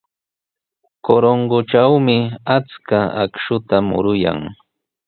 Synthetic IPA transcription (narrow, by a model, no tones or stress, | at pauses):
koɾoŋɡoʈ͡ʂawmɪat͡skaa̰kʃʊt̪amʊ̰ɾʊja̰ŋ